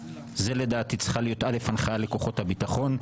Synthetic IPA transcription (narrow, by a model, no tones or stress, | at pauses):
zeledaːt̪it͡sχalijo̞tʔale̞fanχaale̞koχo̞thabitaχo̞n